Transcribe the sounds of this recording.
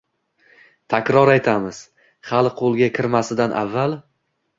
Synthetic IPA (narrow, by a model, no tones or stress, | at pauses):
t̪ʰakʲɾɒɾajt̪ʰamɪz̥ | χalɪqʰolˠɡʲakʲʰɪɾmasɪd̪anʔa̰vːal